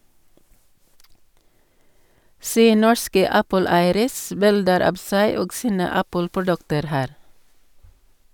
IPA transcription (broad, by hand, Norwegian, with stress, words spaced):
ˈseː ˈnɔɹskə ˈæpəˌlæɪəɾəs ˈbɪldəɾ ˈɑːb ˈsæɪ ˈoːɡ ˈsiːnə ˈæpəlpʊˌɖʉktəɾ ˈhæːɾ